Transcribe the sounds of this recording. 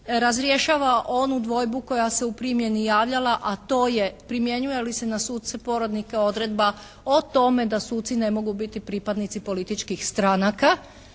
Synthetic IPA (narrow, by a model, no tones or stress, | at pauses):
ɾazɾje̞ʃaːʋaʔo̞nud̪ʋo̞jbuko̞jaseupɾimje̞nijaːʋʎalˠaʔat̪o̞ːjepɾimje̞ɲuje̞lisenasuːt̪̚sepo̞ɾo̞d̪nikeo̞d̪ɾed̪ba | ot̪o̞me̞d̪asuːt̪sine̞mo̞ɡubit̪ipɾiːpad̪nit̪sipo̞lit̪it͡ʃkixst̪ɾaːnaka